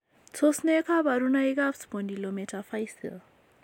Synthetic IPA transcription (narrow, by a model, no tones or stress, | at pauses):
t͡sʰosnekʰabaɾunajɡafsbondilometʰafajsḭ